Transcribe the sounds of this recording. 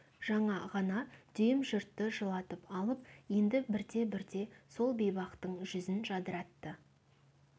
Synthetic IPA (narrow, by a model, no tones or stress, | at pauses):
ʒ̥ɑɴɑʁɑnɑd̪̥ʏjɪmʒʊɾt̪ːəʒəlˠɑt̪əpɑlˠəpje̞nd̪ɪbɪɾd̪e̞bɪɾd̪e̞so̞lˠbejbɑqt̪əɴʒʏzɪnʒɑd̪əɾɑt̪ːə